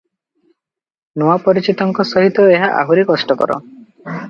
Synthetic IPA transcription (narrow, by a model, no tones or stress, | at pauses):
noapɔɾit͡ʃit̪ɔŋkɔsɔɦit̪ɔeɦaʔa̰ɦuɾekɔsʈɔkɔ̰ɾɔ̰